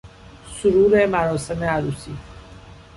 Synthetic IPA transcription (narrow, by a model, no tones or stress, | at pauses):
suɾuːɾemæɾɔːsemeaɾuːsiː